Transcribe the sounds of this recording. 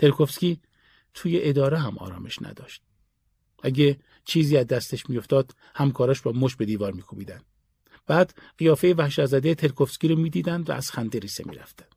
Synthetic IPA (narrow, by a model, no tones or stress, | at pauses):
t̪ʰe̞lkʰofskʲiː | t̪ʰuːjeʔed̪ɒːɾeɦæmʔɒ̰ːɾɒ̰ːmʔe̞ʃnæ̰d̪ɒ̰ːʃt̪̚ | ʔæɡʲe | t͡ʃʰiːziːæzd̪æst̪eʃmijo̞ft̪ɒːd̪ | hæmkʰɒːɾɒːʃbɒːmoʃbe̞d̪iːvɒːɾmiːkʰobiːd̪ænd̪̥ | b̥æːd̪ɢijɒːfejevæhʃæt̪zæd̪et̪ʰe̞lkʰofskʲiːɾomiːd̪iːd̪ænd̪væ̰ʔæz̥xænd̪eɾiːsemḭːɾæ̰ft̪æ̥nd̪̥